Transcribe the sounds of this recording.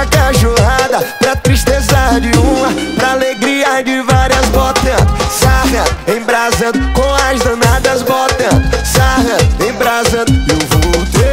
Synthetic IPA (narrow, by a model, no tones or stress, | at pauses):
kaʒoɦad̪ɐpɾɐt̪ɾiʃt̪ezaɾd͡ʒɪũmɐpɾaːleɡɾiɐd͡ʒɪvaɾiɐzbɔt̪ɐ̃saɣɐẽj̃bɾazɐ̃d̪ʊkõɐzd̪ɐ̃nad̪ɐzbɔt̪ɐ̃saɦɐẽj̃bɾazɐ̃d̪ʊũvot̪e